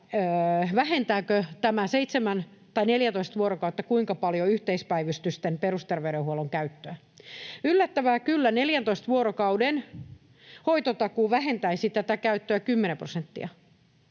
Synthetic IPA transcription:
ʋæhent̪æːkøt̪æmæseit̪semænt̪ɑineljænt̪oist̪ʋuoɾokɑut̪ːɑkuiŋkɑpɑljoyht̪eispæiʋyst̪yst̪emperust̪erʋeyɾehuoloŋkæyt̪ːøæ | ylːæt̪ːæʋæːkylːæneljænt̪oist̪ʋuoɾokɑuden | hoit̪ot̪ɑkuːʋæhent̪æisit̪æt̪ækæyt̪ːøækymːenemprosent̪ːḭɑ

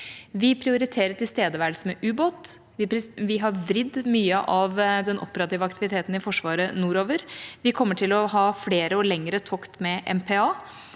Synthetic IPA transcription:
ʋɪpʰɾɪʊɾɪt̪ʰeːɾəʈʰɪlst̪eːd̪əʋæːɖ̪smɛʔʉːboːt̪ | ʋɪʋɪɦɑɾʋɾɪd̪myːəʔɑʋd̪ɛnʔɔ̰pːəɾɑt̪iːʋəɑk̚t̪ɪʋɪt̪ʰeːt̪n̩ɪfɔʂʋɑːɾənuːɾoːʋəɾʋɪkʰɔmːəʈʰɪlɔɦɑːfleːɾəɔlɛŋɾət̪ʰɔkt̪mɛʔɛ̰mpʰɛɑː

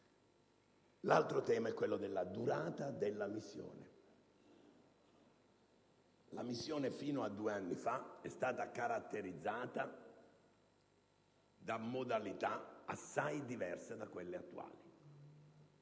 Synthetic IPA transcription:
lalt̪ɾot̪ɛːmaɛkːwelːod̪elːad̪uɾaːt̪ad̪elːamisːjɔ̰ːnḛ | la̰misːjɔːnefiːnoad̪ːuːeanːifaɛst̪aːt̪akaɾat̪ːeɾid̪zːaːt̪a | d̪amːod̪alit̪aa̰sːajd̪ivɛrsad̪akːwelːeat̪ːua̰ːli

